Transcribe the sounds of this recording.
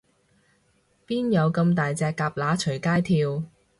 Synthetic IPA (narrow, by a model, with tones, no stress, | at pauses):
piː˥njɐ˨˧wkɐ˧mt̪aː˨jt͡sɛː˧kːaː˧p̚laː˨˥t͡ʃʰɵ˨˩jkaː˥jt̪ʰiː˧w